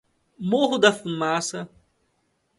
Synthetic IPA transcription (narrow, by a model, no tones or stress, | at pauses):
moɦʊd̪ɐfumasɐ